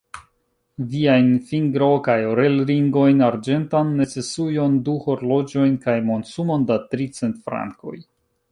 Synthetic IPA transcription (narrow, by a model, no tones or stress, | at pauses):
viajnfiŋɡɾo̞kajoɾe̞lɾiŋɡo̞jnaɾd͡ʒe̞ntanːe̞t͡se̞sujo̞nduho̞ɾlo̞d͡ʒo̞jnkajmo̞nsumo̞ndatɾit͡se̞ntfɾa̰ŋko̞̰j